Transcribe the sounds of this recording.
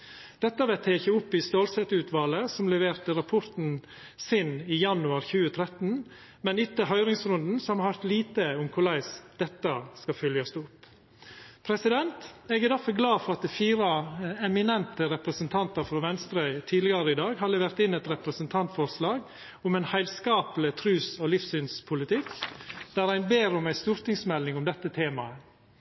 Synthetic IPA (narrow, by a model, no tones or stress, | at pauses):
d̪̥ɛt̪ːɑʋɛːt̪ʰeːçəʊpːɪst̪oːlsɛt̪ʉːt̪ʋɑːləsɔmlɛʋeːɾt̪ɪɾɑpʰɔɾt̪n̩ | sɪniːjɑnʉɑɾçʉːət̪ʰɾɛt̪n̩ | mɛnɪt̪ːəɦœʏɾɪŋsɾʉnd̪n̩sɔmhɑɾhɑɾt̪liːt̪əʊmkʰʊlæɪsd̪̥ɛt̪ːɑskɑfœljɑst̪ʊpː | pʰɾɛsɪd̪ɛnt̪ɛɡæd̪æɾfɔɾɡlɑːfɔɾɑt̪̚d̪ɛfiːɾɑɛmɪnɛnt̪əɾɛpɾəsənt̪ʰɑnt̪əɾfɾɑʋɛnst̪ɾœʏt̪ʰiːd̪lɪɡɑɾəɪd̪ɑːɡhɑɾlɛʋeːɾt̪ɪnːɛt̪ɾɛpɾəsənt̪ʰɑnt̪fɔɾslɑːɡ | ʊmɛɪnhæɪlskɑːpələt̪ʰɾʉːsɔlɪfsynspʰʊlɪt̪ʰɪkd̪̥æɾæɪnbeːɾʊmæɪst̪ʉːɾt̪ɪŋsmɛlnɪŋʊmd̪ɛt̪ːət̪ʰeːmɑə